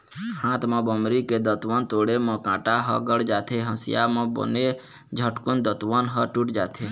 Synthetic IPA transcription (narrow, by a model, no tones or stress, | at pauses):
hãːt̪mə̃bəmɾiked̪ət̪ʋənt̪oːɽemə̃kãːʈaɦə̰ɡəɽd͡ʒaːt̪ʰeɦə̃sja̰mə̃bo̰ne | d͡ʒʱəʈkʊnd̪ət̪ʋənɦəʈuʈd͡ʒa̰ːt̪ʰe